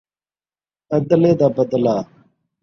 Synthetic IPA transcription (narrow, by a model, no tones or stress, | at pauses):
əd̪leːd̪aːbəd̪laː